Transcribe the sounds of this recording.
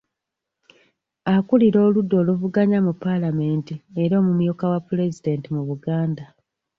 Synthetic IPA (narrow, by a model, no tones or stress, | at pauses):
akuliɾo̞ːludːo̞ːluvuɡaɲamupːalame̞ːntieɾo̞ːmumjokawapːule̞zide̞ːntimuβuɡaːnda